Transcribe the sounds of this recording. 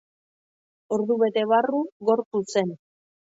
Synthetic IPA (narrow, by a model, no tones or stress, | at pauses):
o̞ɾðuβe̞t̪e̞βaruɣo̞ɾpuse̞n